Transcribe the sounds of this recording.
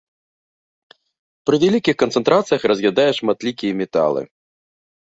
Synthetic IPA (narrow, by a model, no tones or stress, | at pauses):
pɾɨvʲɛlʲikʲixkɐnt̪sɛnt̪ɾat̪sɨjɐxrɐzʲɣjʲad̪ajɛʂmat̪lʲikʲijɛmʲɛt̪a̰lˠɨ̰